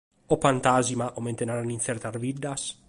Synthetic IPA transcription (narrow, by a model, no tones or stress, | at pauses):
opant̪azimaʔoment̪enaɾanin̟θeɾt̪aɾβid̪ːas